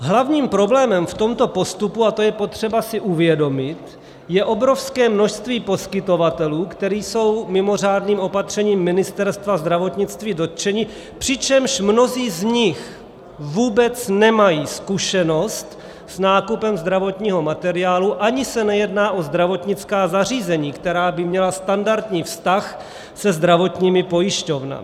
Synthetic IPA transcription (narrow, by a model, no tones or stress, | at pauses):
ɦlavɲiːmpɾo̞blɛːmɛmft̪o̞mt̪o̞po̞st̪upuat̪ojɛpo̞t̪r̝̥ɛbasɪʔuvjɛdo̞mɪt̪ | jɛʔo̞bɾo̞fskɛːmno̞ʃst̪viːpo̞skɪt̪o̞vat̪ɛluːkt̪ɛɾiːso̞wmɪmo̞r̝aːdniːmʔo̞pat̪r̝̥ɛɲiːmːɪnɪst̪ɛɾst̪vazd̪ɾavo̞t̪ɲɪt͡st̪viːdo̞t̪̚t͡ʃɛɲiː | pr̝̥ɪt͡ʃɛmʃmno̞ziːzɲɪx | vuːbɛt͡snɛmajiːskuʃɛno̞st̪ | snaːkupɛmzd̪ɾavo̞t̪ɲiːɦo̞mat̪ɛɾɪaːluʔaɲɪsɛnɛjɛdnaːʔo̞zd̪ɾavo̞t̪ɲɪt͡skaːzariːzɛɲiːkt̪ɛɾaːbɪmɲɛlast̪andaɾt̪ɲiːfst̪ax | sɛzd̪ɾavo̞t̪ɲiːmɪpo̞jɪʃco̞vna̰